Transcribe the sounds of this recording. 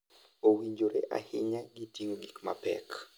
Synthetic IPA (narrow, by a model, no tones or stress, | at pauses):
owiɲd͡ʒoɾeʔa̰hɪɲaɡitiŋonikma̰pɛ̰k